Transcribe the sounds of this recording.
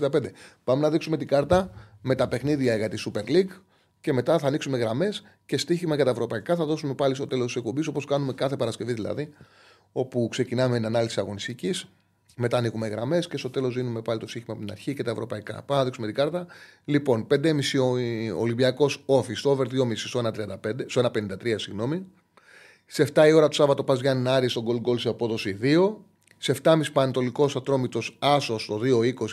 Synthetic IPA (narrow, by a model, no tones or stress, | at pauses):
d̪ɐpend̪epɐme̞nɐðiksume̞t̪iɡɐɾt̪ɐme̞t̪ɐpe̞xniðiɐeɣɐt̪isupe̞ɾliɡ | ce̞me̞t̪ɐθɐːniksume̞ɣɾɐme̞s | ce̞st̪içimɐʝɐt̪ɐevɾo̞pɐikɐθɐðo̞sume̞pɐlist̪o̞t̪e̞lost̪ise̞k̚po̞mbis̬o̞po̞skɐnume̞kɐθe̞pɐɾɐsce̞viðilɐ̰ði | o̞pukse̞cinɐmenɐnɐlisisɐɣo̞nist̪icis | me̞t̪ɐːnixume̞ɣɾɐme̞sce̞st̪o̞t̪e̞lo̞zðinume̞pɐlit̪o̞st̪içimɐpot̪inɐ̰ɾçicet̪ɐevɾo̞̰pɐikɐ̰pɐmenɐðiksumet̪iɡɐɾt̪ɐlipo̞npend̪emisioo̞̰limbiɐko̞so̞fist̪oove̞ɾðio̞misist̪oenɐt̪ɾiɐnd̪ɐped̪est̪oe̞nɐpenind̪ɐt̪ɾiɐsiɣno̞mi | seft̪ɐio̞ɾɐt̪u̥sɐvɐt̪o̞pɐzʝɐnnɐɾist̪o̞ɡo̞lɡo̞lsiɐpo̞ðo̞siðio̞ | seft̪ɐmisi̥pɐɐnt̪o̞liko̞sɐt̪ɾo̞mit̪o̞sɐsost̪o̞ðio̞iko̞s